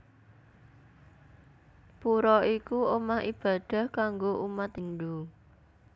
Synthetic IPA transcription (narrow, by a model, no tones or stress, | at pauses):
puɾɔikuomahib̥a̤d̪̥a̤hkaŋɡoʔumat̪inɖu